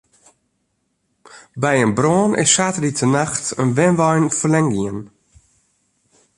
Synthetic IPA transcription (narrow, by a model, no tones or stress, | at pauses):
bɛjənbroːnʔɪ̰sːaːtəlitʰənaxtənʋɛnʋɔjnfəlɛŋɡiən